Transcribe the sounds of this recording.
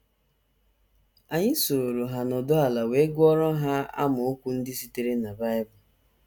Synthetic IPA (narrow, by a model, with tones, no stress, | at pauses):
a˨ɲɪ˦so˨ɾo˨ɾo˨ɦa˨nɔ˨dʊ˦a˨la˨we˨˦ɡʷɔ˦ɾɔ˦ɦa˦a̰˦mʊ˨o˦kʷu˦n̩˦dɪ˦si˨te˦ɾe˦na˨ba˦ɪ˦bʊ˨